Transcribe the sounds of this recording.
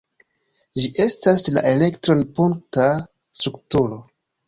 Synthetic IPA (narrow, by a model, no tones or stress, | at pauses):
d͡ʒiʔe̞stasla̰ʔe̞le̞ktɾo̞npuŋk̚ta | stɾuktuɾo̞